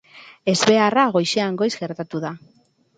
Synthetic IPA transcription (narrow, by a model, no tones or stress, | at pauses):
e̞zβe̞araɣ̞o̞jʃeaŋɡo̞jzɣe̞ɾt̪at̪uða